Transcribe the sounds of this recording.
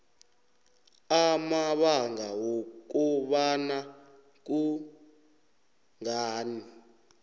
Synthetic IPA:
amaɓaŋɡawok̬uɓana | k̬u | ŋaːni

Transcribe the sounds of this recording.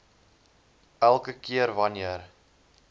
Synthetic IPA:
ælˠkəkiəɾvɐniər

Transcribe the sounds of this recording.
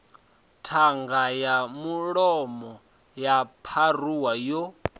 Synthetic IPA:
tʰaŋɡajamuɺɔmɔ | japʰaruwajo

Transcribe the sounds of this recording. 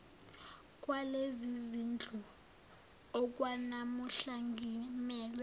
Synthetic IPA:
kʼwalezizind͡ɮʱɔ | ɔk̬ʼwanamuɬaŋɡʱimɛːlɛ

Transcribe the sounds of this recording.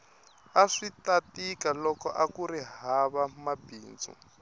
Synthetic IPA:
aʂitatikalɔkɔ̰ʔakuɾiɦaβamabiːnd͡zṵ

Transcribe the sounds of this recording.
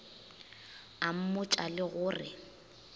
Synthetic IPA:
am̩mʊt͡ʃʼalɪɣʊːrɪ

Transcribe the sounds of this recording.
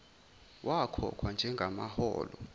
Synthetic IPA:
wʔakʰɔ̰kʰwand͡ʒʱɛŋɡʱamahɔ̰ːlɔ

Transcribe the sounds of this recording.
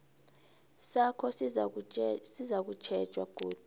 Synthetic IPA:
sakʰɔs | sizak̬ut͡ʃʰɛd̥ʒ̥ʱʼwaɡ̥ʱṵːt

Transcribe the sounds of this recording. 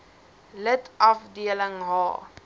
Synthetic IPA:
lətɐfdiələŋɦɑː

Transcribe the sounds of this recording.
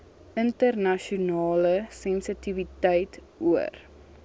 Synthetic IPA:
əntərnɐʃiunɑːləsɛnsətivitəjt | uə̰r

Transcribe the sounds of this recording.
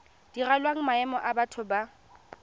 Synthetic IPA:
d̥iralwaŋ̩maɛmɔʔabatʰʊba

